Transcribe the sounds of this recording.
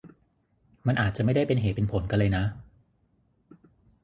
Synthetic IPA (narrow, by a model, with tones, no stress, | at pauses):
ma˧nʔaː˨˩t͡ɕa˨˩ma˥˩jda˥˩jpe˧nɦeː˨˩t̪̚pe˧npʰo˩˦nka˧nla˧jna˦˥